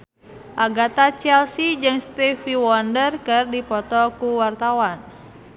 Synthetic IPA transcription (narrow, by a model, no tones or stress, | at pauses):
ʔaɡat̪at͡ʃɛlsid͡ʒɨŋst̪ifiwɔndərkɨrdipɔt̪ɔkuwart̪awan